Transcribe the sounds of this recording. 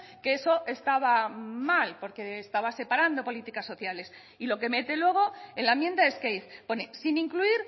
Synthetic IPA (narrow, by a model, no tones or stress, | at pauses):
keeso̞ʔe̞st̪aβ̞amalpo̞ɾke̞ːst̪aβase̞paɾand̪o̞po̞lit̪ikasːo̞θjale̞s | ilo̞ke̞me̞t̪e̞lwe̞ɣ̞o̞enlamjend̪aeskejθponesinĩŋkluiɾ